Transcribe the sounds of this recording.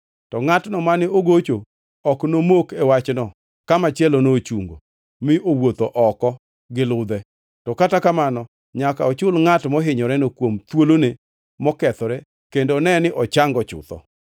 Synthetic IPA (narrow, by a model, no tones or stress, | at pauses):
tɔŋatnɔmanɪoɡot͡ʃo | ɔknomokɛwat͡ʃnɔ | kamat͡ʃɛlonot͡ʃuŋɡo̰ | mɪʔowot̪oʔɔkɔ | ɡɪlʊd̪ɛ | tɔkatakamanɔ | ɲakaɔt͡ʃʊlŋatmɔɦɪɲɔɾɛnokwomt̪wolone | mɔkɛt̪ɔɾɛ | kendonɛnɪʔɔt͡ʃaŋɡɔt͡ʃʊ̰t̪ɔ̰